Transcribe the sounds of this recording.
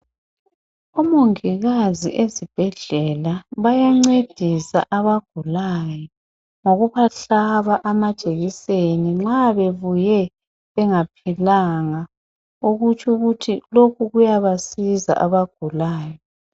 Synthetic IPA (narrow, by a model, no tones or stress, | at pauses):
umoŋiɣazḭʔezib̥ʱɛɮɛlaβajaŋ͡ǀed̥ʱisa̰ʔaβaɡ̥ʱulajɔ | ŋoɣuβaɬaβaʔamḁt͡ʃʼeɣiseniŋ͡ǁaβeβujɛ | βɛŋapʰilaŋa | uɣut͡ʃʰʼuɣutʰilokʰuɣujaβasiza̰ʔaβaɡ̥ʱulaːjɔ